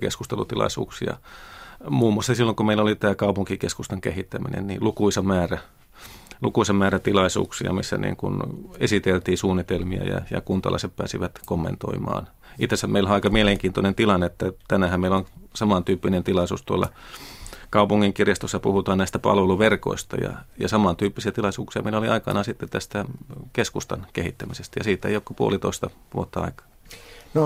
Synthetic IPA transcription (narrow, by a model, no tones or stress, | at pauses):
kḛskust̪elṵt̪ilɑ̰isṵːksiɑ̰ | muːmːuˑɑsːɑsilːoŋkumeilolit̪æːkɑupuŋkikeskust̪ɑŋkehit̪ːæminḛnnḭːlukuisɑmæːræ | lukuisɑmmæːræt̪ilɑisṵːksiɑ̰misːæ̰nḭːŋkṵnesit̪elt̪iːsuːnːit̪elmiɑ̰jɑ̰jɑ̰kunt̪ɑ̰lɑ̰seppæ̰ːsiʋæt̪komːḛnt̪o̰imɑ̰ːn | it̪ːesːæmmeiloɑikɑmieleŋkiːnt̪onent̪ilɑnːeet̪ːæt̪ænæhæmmeiloŋsɑmɑnt̪yːpːinent̪ilɑisṵːst̪uolːɑ̰ | kɑupuŋːiŋkirjɑst̪osːɑpuhut̪ɑːnnæist̪æpɑ̰lʋeluʋerko̰ist̪ɑ̰jɑ̰jɑsɑmɑnt̪yːpːisiæt̪ilɑisuːksiɑmeiloliɑikɑ̰nɑːsit̪ːet̪t̪æst̪ækeskust̪ɑnkehit̪ːæmisest̪æjɑsiːt̪ḛijokopuolit̪o̰ist̪ɑʋuot̪ːɑɑ̰ikɑ̥ːno